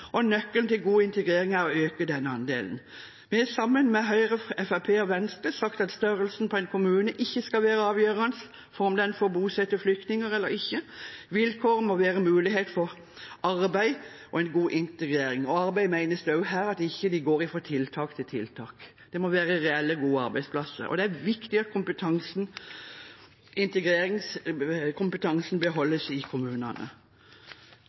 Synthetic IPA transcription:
ʔɔnœkːəlt̪ɪlɡuːɪnt̪əɡɾeːɾɪŋæɾɔøːkəd̪ɛnːəɑnd̪ḛːln̩ | mɛɛsɑmːənmɛɦœʏʁəɛfæpʰeːɔʋɛnst̪əsɑkt̪ɑt̪st̪œɾəlsn̩pʰɔɛɪnkʰʊmʉːnəʔɪçːəskɑlʋeːɾəɑːʋjøːʁɑnəs | fɔɾɔmd̪ɛnfoːbuːsɛt̪ːəflʏkt̪nɪŋəɾɛlːəɾɪçːəʋɪlkʰoːʁmɔʋeːɾəmʉːlɪɦeːt̪fɔʁ | ɑɾbæɪʔɔɛnɡuːʔɪnt̪əɡɾeːɾɪŋɔɑɾbæɪmæɪnəsd̪ɑʉɦæːɾɑt̪ɪçːəd̪ɪɡoːɾɪfɾɔt̪ʰɪlt̪ʰɑːkt̪ʰɪlt̪ʰɪlt̪ʰɑːk | d̪̥ɛmɔʋæːɾəɾɛɛlːəɡuːəɑɾbæɪspʰlɑsə̰ɾɔ̰d̪ɛæɾʋɪkt̪ɪɑt̪̚kʰʊmpət̪ʰɑŋsn̩ | ɪnt̪əɡɾeːɾɪŋskʰʊmpət̪ʰɑŋsn̩bəɦɔlːəsɪkʰʊmʉːnɑnə̰

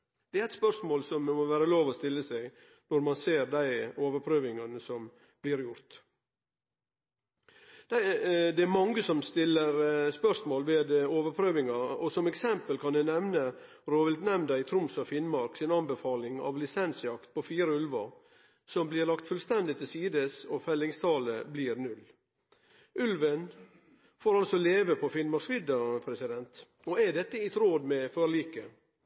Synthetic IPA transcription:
d̪̥ɛæɾæɪt̪spœʂmoːlsɔmmɔʋæːɾəloːʋɔst̪ɪlːəsɛɡ | nɔɾmɑnseːɾd̪æɪoːʋəɾpʰɾøːʋɪŋɑnəsɔm | b̥lɪɾjʊɾt̪ | d̪̥æd̪ɛæɾmɑŋːəsɔmst̪ɪlːəɾspœʂmoːlʋeːd̪oːʋəɾpʰɾøːʋɪŋɑɔsɔmɛksɛmpəlkʰɑnɛnɛʋnə | ɾoːʋəlt̪nɛmnd̪ɑɪt̪ʰɾʊmsɔfɪnmɑɾksɪnɑnbəfɑːlɪŋɑ̰ːʋlɪsɛnsjɑkt̪̚pʰɔfiːɾəʉlʋɑɾ | sɔmblɪːɾlɑkt̪fʉlst̪ɛnd̪ɪt̪ʰɪlsiːd̪əsɔfɛlːɪŋst̪ʰɑːləbliːɾnʉl | ʔʉlʋən | foːɾɑlsɔleːʋəpʰɔfɪnmɑɾskʋɪd̪əpʰɾɛsɪd̪ɛnt̪ | ɔæɖɛt̪ːəɪt̪ʰɾoːd̪mɛføːɭiːkə

